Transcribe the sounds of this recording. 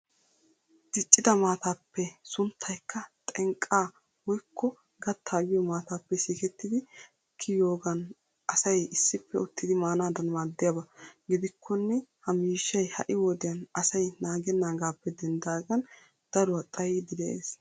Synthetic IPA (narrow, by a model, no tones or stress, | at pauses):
d̪̥ɪt͡ʃʼːɪd̪ɐmaːt̪aːpːɛsʊnt̪ʰːɐjkːɐt̪ʼɛŋkʼːaː | wɔjkʰːɔ | ɡɐt̪ʰːaːɡɪjɔmaːt̪aːpːɛsiːkɛt̪ːɪd̪ɪ | kʰːɪjo̞ːɡɐn | ʔɐsɐjɪsːɪpːɛɔt̪ːɪd̪ɪmaːnaːd̪ɐnmaːd̪ːɪjabɐɡɪd̪ɪkʰːɔnːɛhɐmiːʃːɐjhɐ̰ʔɪwɔd̪ɪjɐnɐsɐjnaːɡɛnaːɡaːpːɛd̪ɛnd̪aːɡɐn | d̪̥ɐɾʊat̪ʼɐjɪd̪ɪd̪ɛʔḛːs